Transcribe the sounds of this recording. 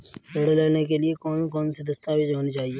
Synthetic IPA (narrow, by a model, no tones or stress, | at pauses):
oːɽlɛːnek̬eliekɔːnkɔːnsid̪ɐst̪aʋʱid͡ʒɦoːnit͡ʃaːɦieː